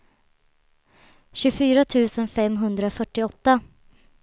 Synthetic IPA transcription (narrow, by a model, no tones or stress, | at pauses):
ɕɵfyːɾat̪ʰʉ̟ːsənfɛmːɦɵnd̪ɾafœʈːɪɔt̪ːa